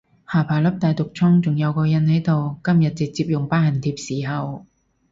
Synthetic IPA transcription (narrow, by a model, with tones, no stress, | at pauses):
haː˨˩pʰaː˨˩jlɐ˥p̚t̪aː˨jt̪ʊ˨k̚t͡sʰʊ˥ŋt͡sʊ˨˩ŋjɐ˨˧wkɔː˧jɐ˨nhɐ˨˥jt̪o˨wkɐ˥mjɐ˨t̚t͡sɪ˨k̚t͡siː˧p̚jʊ˨ŋpaː˥hɐ˨˩nt̪ʰiː˧p̚siː˨˩ɦɐ˨w